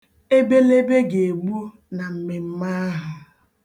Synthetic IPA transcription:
e˦be˦le˦be˦ɡe˨e˨ɡ͡bu˦ | na˨m̩˨me˨m̩˦ma˦ɦʊ˨

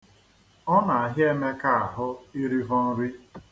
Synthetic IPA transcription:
ɔ˦na˨a˨ɦɪ˦e˦me˦ka˦a˨ɦʊ˦i˦ɾi˦vɔ˦n̩˦ɾi˦

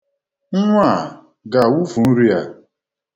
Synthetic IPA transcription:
ŋ̩˦ŋʷ˦a˦˨ | ɡa˨wu˦vu˨n̩˦ɾi˦a˨

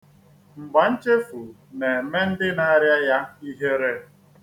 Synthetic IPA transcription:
m̩˨ɡ͡ba˨n̩˦t͡ʃe˦fu˨ | ne˨˦me˦n̩˦dɪ˦na˦a˦ɾja˦ja˦i˦ɦe˦ɾe˦

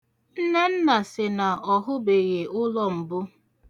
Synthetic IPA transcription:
n̩˦na˦n̩˦na˨sɪ˨na˨ʔɔ˨ɦʊ˦be˨ɣe˨ʊ˦lɔ˦m̩˨bʊ˦

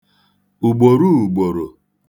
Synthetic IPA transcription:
u˨ɡ͡bo˨ɾu˦˨ɡ͡bo˨ɾo˨

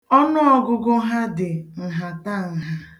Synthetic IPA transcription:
ɔ˦nʊ˦ɔ˨ɡʊ˦ɡʊ˦ɦa˦dɪ˨n̩˨ɦa˨ta˦˨n̩˨˦ɦa˦

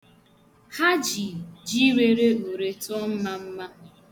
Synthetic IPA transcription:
ha˦d͡ʒi˨d͡ʒi˦ɾe˦ɾe˦u˨ɾe˨tɔ˦m̩˦ma˦m̩˦ma˦

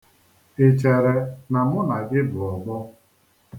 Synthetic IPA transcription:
ɪ˨t͡ʃe˨ɾe˨na˨mʊ˦na˨ɡɪ˦bʊ˨ɔ˨ɡ͡bɔ˦

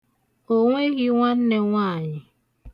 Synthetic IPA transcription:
o˨ŋʷe˦ɣɪ˦ŋʷa˦n̩˦ne˦ŋʷaː˦˨ɲɪ˨

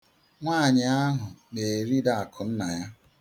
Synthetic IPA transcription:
ŋʷaː˦˨ɲɪ˨a˦ɦʊ˨ne˨e˨ɾi˦da˨a˨kʰʊ˨n̩˦na˨ja˦

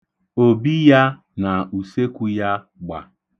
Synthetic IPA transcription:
o˨bi˦ja˦ | na˨u˨se˦kʷu˦ja˦ | ɡ͡ba̰˨

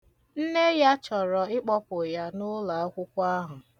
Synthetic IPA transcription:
n̩˦ne˦ja˦t͡ʃɔ˨ɾɔ˨ɪ˦k͡pɔ˦pʊ˨ja˦nʊ˦la˨a˦kʷʊ˦kʷa˦ɦʊ˨

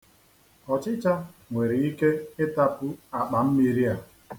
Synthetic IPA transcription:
ɔ˨t͡ʃɪ˦t͡ʃa˦ŋʷe˨ɾɪ˨i˦ke˦ɪ˦ta˦pʊ˦a˨k͡pa˨m̩˦mi˦ɾi˦a˨

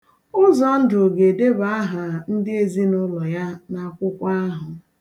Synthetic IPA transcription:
ʊ˦zɔ˨n̩˦dʊ˨ɡe˨de˦ba˦a˦ɦa˨n̩˦dɪ˦e˨zi˦nʊ˦lɔ˨ja˦na˨kʷʊ˦kʷa˦ɦʊ˨

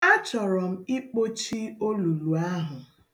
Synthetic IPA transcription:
a˦t͡ʃɔ˨ɾɔ˨m̩˦i˦k͡po˦t͡ʃi˦o˦lu˨lu˨a˦ɦʊ˨

